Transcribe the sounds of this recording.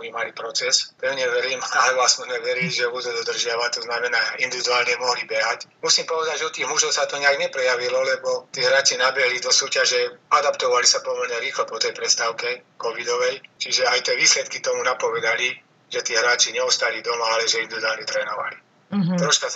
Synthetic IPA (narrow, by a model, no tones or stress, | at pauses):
mimalipɾɔt͡sɛspɛʊɲɛʋɛɾiːmalɛʋɔasmɛzmɛʋɛɾiliʒɛut̪ɔd̪ɔd̪r̩ʒɪaʋat̪ɔznamɛnaːʔind̪iʋid̪uaːlɲɛmɔɦlibɛɦacmusiːmpɔʋɛd̪aɟʒɛɔt̪iːɣmuʒɔʊsat̪ɔɲɛaɡɲɛpɾɛjaʋilɔlɛbɔt̪iːɦɾaːt͡ʃinabɛɦlid̪ɔsuːcaʒɛad̪apt̪ɔʋalisapɔmɔɾɲɛɾiːxlɔpɔt̪ɛjpɾɛst̪aʊkɛkɔʋid̪ɔʋɛjt͡ʃiʒɛajt̪ɪɛʋiːslɛt̪̚kit̪ɔmunapɔʋɛd̪ali | ʒ̥ɛt̪iːɦɾaːt͡ʃiɲɛɔst̪alid̪ɔmaalɛʒɛind̪iʋid̪uaːlɲɛt̪ɾɛːnɔʋa̰li | t̪ɾɔʃka